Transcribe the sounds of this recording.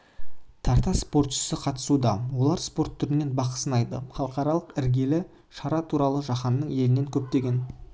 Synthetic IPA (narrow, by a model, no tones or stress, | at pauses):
t̪ʰɑɾt̪ɑspo̞rt̪ʃɪ̥sɪqʰɑt̪ə̥sud̪ɑwo̞lˠɑɾspo̞rt̪ʰːʏɾɪne̞nbɑqə̥sənɑjd̪ə̰χɑlˠəqɑɾɑlˠəqɪɾɡʲe̞lɪ | ʃɑɾɑt̪ʰuɾɑlˠəʒɑχɑnːəɴe̞lɪne̞ŋkʲʰɵp̚t̪e̞ɡʲe̞n